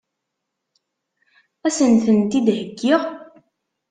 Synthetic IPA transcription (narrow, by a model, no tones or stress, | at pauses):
æsənθənt̪id̪həɡːɪʁ